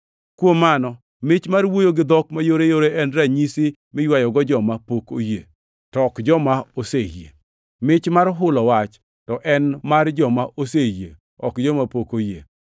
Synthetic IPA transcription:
kwomːanɔ | mɪt͡ʃmarwojoɡɪd̪ɔkmajoɾejoɾeɛnɾaɲisi | mɪjwajɔɡɔd͡ʒɔmapoko̰jḛ | tɔkd͡ʒɔmaosejḛ | mɪt͡ʃmaɾɦʊlɔwat͡ʃ | tɔʔɛnmard͡ʒɔmaʔosejḛ | ɔ̰kd͡ʒɔmapokojḛ

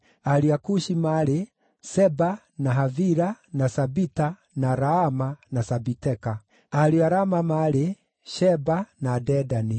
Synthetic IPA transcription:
aliakuʃimaɾe | sɛba | naɦaviɾanasabita | naɾaamanasabitɛka | aɾiaɾamamaɾe | ʃɛbanadɛdani

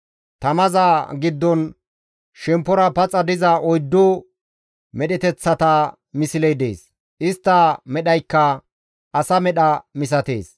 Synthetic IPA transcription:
t̪ɐmɐzaːɡɪd̪ːɔn | ʃɛmpːɔɾɐpɐt͡sʼːɐd̪ɪzɐʔɔjd̪ːɔ | mɛɗɛt̪ɛt͡sːɐt̪ɐ | mɪsɪlɛjd̪ḛːs | ʔɪst̪ːɐmɛɗɐjkːɐ | ʔɐsɐmɛɗɐmɪs̬ɐt̪ḛːs

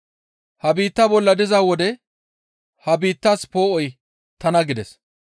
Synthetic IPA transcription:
hɐbiːt̪ːɐbɔlːɐd̪ɪzaːwɔd̪ɛ | hɐbiːt̪ːaspo̞ːʔɔj | t̪ɐnɐɡɪd̪ɛs

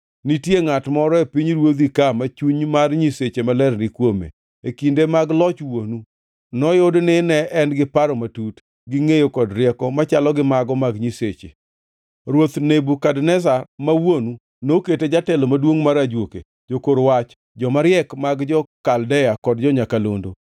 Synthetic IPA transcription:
nitjeŋatmɔɾɔepiɲɾwod̪ikamat͡ʃuɲmarɲiset͡ʃemalɛrnɪkwomḛ | ekindemaɡlɔt͡ʃwonu | nɔjodnɪnɛɛnɡɪpaɾɔmatut | ɡɪŋejokɔdɾɪɛkɔmat͡ʃalɔɡɪmaɡɔmaɡɲiset͡ʃḛ | ɾwot̪nebukadnɛsarmawonu | noketed͡ʒatɛlomadwoŋmaɾad͡ʒwokḛ | d͡ʒokoɾwat͡ʃ | d͡ʒɔmaɾjɛkmaɡd͡ʒɔkaldɛjakɔdd͡ʒɔɲakalo̰ndo̰

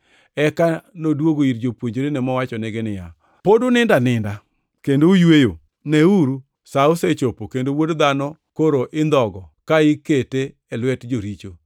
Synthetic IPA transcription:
ɛkanodwoɡoiɾd͡ʒopwoɲd͡ʒoɾenɛmɔwat͡ʃɔnɪɡɪnɪja̰ | podʊnɪndanɪnda | kendoujwejo | neuɾu | saʊset͡ʃopokendowodd̪anɔkoɾoʔɪnd̪ɔɡɔkaɪkete | ɛlwɛtd͡ʒoɾit͡ʃo

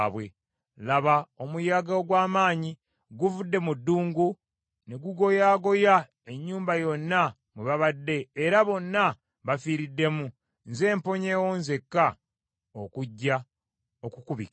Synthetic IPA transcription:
βwe̞̰ | laβao̞mujaːɡaoɡwaːmaːɲi | ɡuvudːe̞mudːuːŋɡu | neɡuɡo̞jaːɡo̞ja | e̞ɲːuːmbajo̞nːa | muβaβadːe̞ːɾaβo̞nːa | βafiːɾidːe̞mu | nze̞ːmpo̞ɲeːwonze̞kːa | okuɟːa | okukuβḭka

